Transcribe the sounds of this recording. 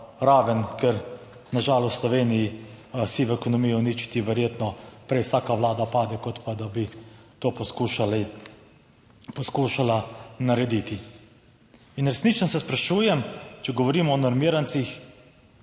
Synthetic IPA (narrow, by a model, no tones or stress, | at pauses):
ɾaːʋənkɛɾ | naʒaːlɔst̪slɔʋeːnijisiʋɛkɔnɔmijɔnit͡ʃi̥t̪iʋɛɾjeːt̪nɔpɾɛjwsaːkaʋlaːd̪apaːd̪ɛkɔt̪pad̪abit̪oːpɔskuʃali | pɔskuːʃalanaɾɛd̪it̪i | inɾɛsnit͡ʃnɔsɛspɾaʃuːjɛmt͡ʃɛɡɔʋɔɾiːmɔːnɔɾmiːɾant̪six